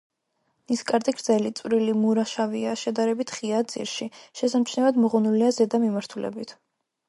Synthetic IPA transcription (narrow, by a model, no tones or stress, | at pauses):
niskʼaɾt̪ʼiɡɾd̪zɛlit̪sʼvɾilimuɾaʃaviaʃɛd̪aɾɛbit̪ʰχiad̪zḭɾʃiʃɛsamt͡ʃʰnɛvad̪mɔʁɔnuliazɛd̪amimaɾt̪ʰulɛ̰bit̪ʰ